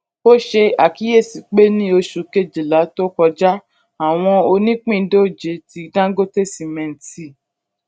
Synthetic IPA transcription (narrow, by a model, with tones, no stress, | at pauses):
o˦ʃe˧a˨ki˨˦e˦˨si˨k͡pe˦nĩ˦o˧ʃu˨ke˦˨d͡ʒi˨la˨˦to˦kɔ˧d͡ʒa˦ | a˨w̃ɔ̃˧o˧nĩ˦k͡pĩ˦˨˦do˦˨d͡ʒe˨˦ti˧dã˦ɡo˦te˦si˨mɛ̃˧n̩˨ti˦˨